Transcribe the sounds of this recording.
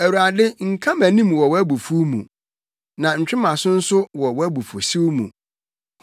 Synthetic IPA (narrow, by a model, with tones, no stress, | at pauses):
æ˨wu˨ɾa˨dɪ˦ŋ̩˨kʰã˦mæ̃˨nĩ˦mwɔ˨wɔ˦æ˦bu˨fu˦mṵ̃˨ | nã˨ɲ̩˨t͡ɕᶣɪ˦mã˨sʊ̃˦n̩˦sʊ˦wɔ˨wɔ˦æ˦bu˨fu˨si˦wmṵ̃˨